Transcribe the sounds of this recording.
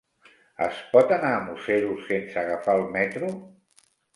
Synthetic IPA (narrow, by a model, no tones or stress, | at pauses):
ə̰spɔt̪anaːmuseɾusensəɣafalˠmɛt̪ɾu